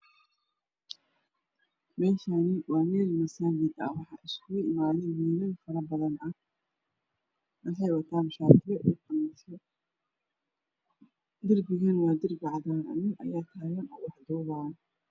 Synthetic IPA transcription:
mɛːʃanɪwaːmɛːlmɐsanɡɪd̪ɐ̰wɑħɑʔɪskʰʊʊʔɪmaːlɪnmiːnɐnfɐɾɐbɐðɐnɐ | mɐħɛjwɐt̪ʰaːnʃaːt̪ʰɪɛʔuːqɐmt̪ɔ | d̪ɪrbɪɣɐnwaːd̪ɪrɡɑʕd̪aːnʔɐ̰nɪnʔɐ̰jaːt̪ʰaːɣɐnɔːwɑħd̪ɔːβaːn

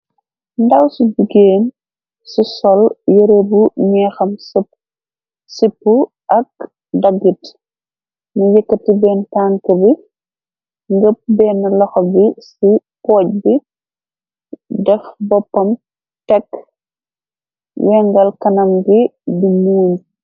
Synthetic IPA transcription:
ndɐwsiɟuɡeːn | sisɔljəɾobuɲɛːxɐms | sipːu | ʔɐk̚ | dɐɡːit | nujəkːɐtibɛːntaŋkɐbi | ŋɡəp̚bɛːnːɐlɐxɔbisipɔːc̚bi | dɛfbɔpːɐm | tɛk | wɛŋɡɐlkɐnɐmɡibimuːɲ

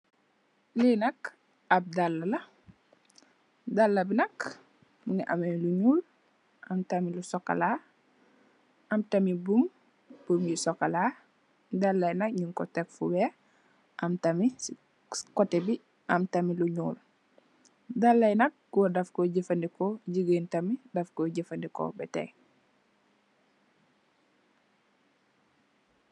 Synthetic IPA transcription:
linɐk | ɐp̚dɐlːɐlɐ | dɐlːɐbinɐk | muŋiʔɐmɐmluɲuːl | ʔɐmtɐmilusɔkːɐ̰la | ɐmtɐmibum | b̥umjisɔkːɐlaː | dɐlːɐjnɐk̚ɲuŋkɔtɛkfubɛ | ʔɐmtɐmi | kɔtɛbi | ʔɐmtɐmiluɲuːl | dalːɐjnɐk̚ːuwodɐfkɔɟifɐndikɔɟiɡeːntɐmidɐfkoɟəfɐndikɔ̰bɛtɛ̰k

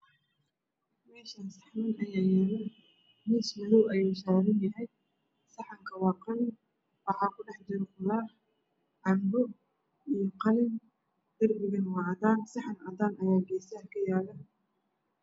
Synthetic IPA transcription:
mɛːʃaːnsɑħmɐnʔɐjaːjɛɣɪn | mɪsmɐðʊwɐjuːsɔːɾɪnjɐɦɛj | sɑħɑŋkʰɐwɑːqɑn | wɑħɑːkʰʊɖɛħd͡ʒɪɾɛχʊlaːħ | ʕɑrbɔ | ijɔqɑlɪn | d̪̥ɐrbɪɣɐnwɑːʕðaːnsɑħɑnɐðaːnʔɐjaːɡɛːsɐhkʰɐjaːlɐ

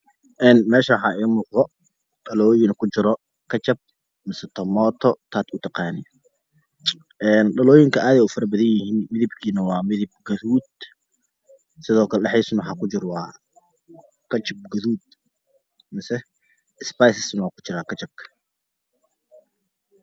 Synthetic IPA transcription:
ʔɛːnmɛːʃɐwħɑːiːmʊːqðɔ | ɖɐlɔːjɪnɐkʰʊt͡ʃɪɾɔ | kʰɐt͡ʃɐb̚ | mɪsɛt̪ʰɔmɔːt̪ʰɔt̪ʰaːt̪ʊt̪ʰɑqɑːnɪ | ʔɛːnɗɐlɔːjɪŋkʰɐʔaːðɛʊfɐɾɐbɐðɐjjɪhiːnmɪðɪbkʰiːnɐwɑːmɪðɪb̚ɡɐðuːd̪̚ | sɪðɔːkʰɐlɛɗɛħiːsʊnwħɑ̰ːkʰʊt͡ʃɪɾwɑː | kʰɐt͡ʃɐb̚ɡɐðuːd̪̚ | mɪsɛ | spajsɪsnɐwɑːkʰʊ̥t͡ʃɪɾaːkʰɐt͡ʃɐb̚kʰɐ̥

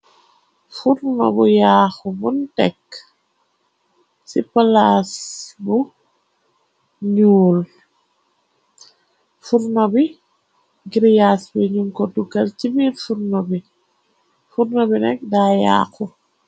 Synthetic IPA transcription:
fuɾnɔ̰bujaːxubuntɛk | sipalasbu | ɲuːl | fuɾnɔbi | ɡiɾjasbiɲuŋkɔduɡɐlt͡ʃibiɾfuɾnɔbi | fuɾnɔbinɛk̚daːja̰ːxu

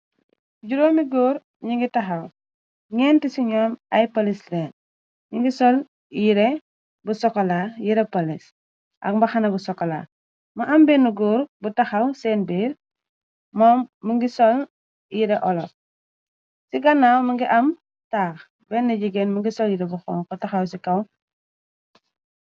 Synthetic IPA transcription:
ɟuɾoːmiɡoːɾ | ɲiŋɡitɐxɐw | ɲɛːntisiɲɔːmɐjpolislɛːn | ɲiŋɡisɔl | jiɾɛ | busɔkːɔlajiɾɛpɐlis | ʔɐ̰k̚mbɐxɐnɐbusɔkːɔla̰ː | mɐʔɐmbɛnuɡɔːɾbutɐxɐwsɛːnbiːɾ | mɔːmːəŋɡisɔl | jiɾɛʔɔlɔt | siɡɐnːaːwmɐŋɡiʔɐm | taːx | bɛnːɐɟiɡɛnmuŋɡisɔljiɾɛbuxɔ̰ːŋkɔtɐxɐwsikɐw

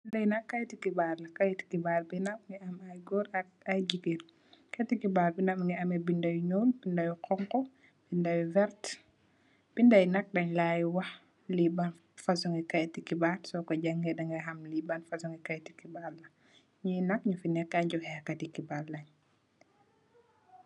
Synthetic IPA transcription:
lɐjnɐkːajtikibaɾlɐkajti̥kibaɾbinɐmŋɡiɐmajɡɔɾ | ajd͡ʒikiɾ | katikibaɾbinamŋɡiɐmɛbindɐjuɲɔːlbindajukɔŋkɔ | b̥indajuvɛɾt | b̥indajnɐk̚dɐɲlajwɐh | liban | fasɔŋɡikajtikibaɾsɔkɔɟaŋɡɛɗɐŋɡɐɦamlibanfasɔŋɡikajti̥kibaɾlɐ | ɲunɐk̚ɲufinɛkːaɲd͡ʒɔhɛkːatikibaɾlɐɲ

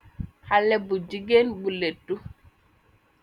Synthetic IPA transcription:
halɛbud͡ʒiɡenbuletːu

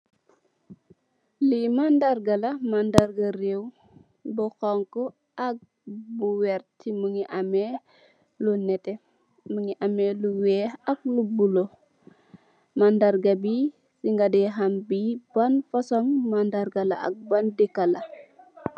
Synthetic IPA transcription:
limandarɡalɐmandaɾɡɐrew | bɔxɔŋkɔ | ʔak̚ | buwɛɾtimuŋiʔamɛ | lunɛtɛ | məŋiʔamɛluwɛːhak̚lubulo | mandaɾɡabi | siŋɡadɛɦambibanfasɔŋmandaɾɡalaa̰k̚bandekːala

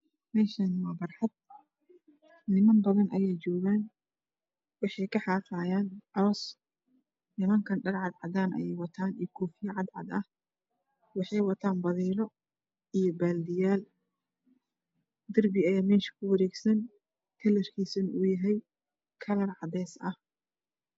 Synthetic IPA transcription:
mɛːʃɐnmɐːbɐrħɑd̪̚ | nɪmɐnbɐðɐnʔɐjɛjt͡ʃɔːɣaːn | wɑħɑjkʰɐħɑːqɑːjaːnʕɑɔːs | nɪmɐŋkʰɐnɖɐrʕɑd̪ʕɑd̪aːnʔɐ̰jɛjwɑt̪ʰaːnijkʰɔːfɪjɐʕɑd̪ʕɑ̰d̪ɐh | wɑħɑjwɑt̪ʰaːnbɐðiːɾɔ | ijɔbaːld̪ɪjaːl | d̪ɐrbɪɐjaːmɛːʃɐ̥kʰʊwɐɾɛːɡsɐn | k̪ʰɐlɛrkʰiːsɐnʊjɐɦɛj | kʰɐlɐrʕɑd̪ɛːsʔɐh

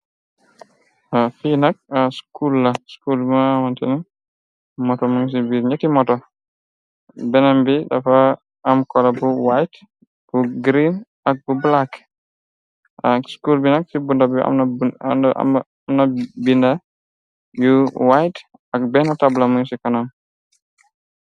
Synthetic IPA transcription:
afinak̚askulːaskulawantɛni | mɔtɔmuŋs̬ibiɾɲatimɔtɔ | bɛnambida̰faː | mkɔlabuwajt | b̥uɡɾin | ak̚bublak | ʔaskulbinaksibundabia̰mn̰ | mnabinda | juwajt | ak̚bɛnatablamuŋsikanam

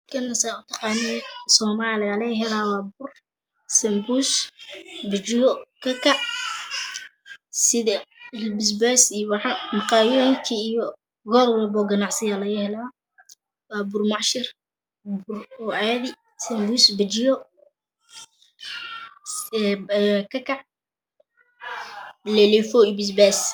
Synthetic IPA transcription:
kʰɐnːɐsaʊt̪ʰɑqɑːnɪjɛsɔːmaːlɪɐlɛjɦɛlaːwaːbʊr | sɛmbus | bɪt͡ʃɪjɔkʰɐkʰɐʕ | sɪðɛlbɪs̬bɛsijɔwɑħɑmɑqɑːjɔːjɪŋkʰiːjɔ | ɡɔːɾʊlɛbɔːɡɐnɑʕsɪjalɐjɛhɛlaː | waːbʊrmɑʕʃɪr | bʊrɔɛːðɪ | sɛmbusbɪt͡ʃɪjɔ | kʰɐkʰɑʕ | lɛlɛfɔibɪsbɛs

